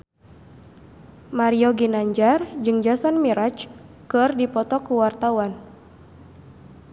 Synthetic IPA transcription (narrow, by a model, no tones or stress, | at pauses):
maɾiɔɡinaɲd͡ʒard͡ʒɨŋd͡ʒasɔnmiɾat͡ʃ | kɨrdipɔt̪ɔkuwart̪awan